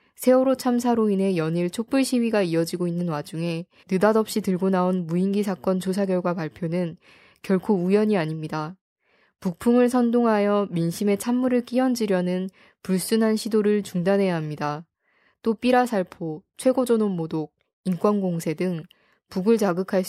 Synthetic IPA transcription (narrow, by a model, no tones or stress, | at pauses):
sʰe̞oɾot͡ɕʰams̬ʰaɾoine̞jʌɲiɭt͡ɕʰok̚p͈uɭɕʰiɥiɡaiʌd͡ʑiɡoinːɯnwad͡ʑuŋe̞ | nɯdadʌp̚ɕ͈itɯɭɡonaonmuiŋɡisʰak͈ʌnt͡ɕosʰaɡjʌɭɡwapaɭpʰjonɯn | kjʌɭkʰoujʌɲiaɲimɲida | puk̚pʰuŋɯɭsʰʌndoŋɦajʌminɕʰime̞t͡ɕʰamːuɾɯɭk͈iʌnd͡ʑiɾjʌnɯn | puɭs͈unɦanɕʰidoɾɯɭt͡ɕuŋdanɦe̞jaɦamɲida | t͈op͈iɾasʰaɭpʰot͡ɕʰwe̞ɡod͡ʑʌnonmodoɡ̚ | ink͈wʌnɡoŋsʰe̞dɯŋ | puɡɯɭt͡ɕaɡɯkʰaɭ